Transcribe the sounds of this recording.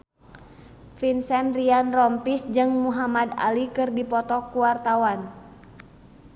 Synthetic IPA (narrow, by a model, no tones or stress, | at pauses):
finsɛnrianrɔmpisd͡ʒɨŋmuɦamada̰likɨrdipɔt̪ɔkuwart̪awan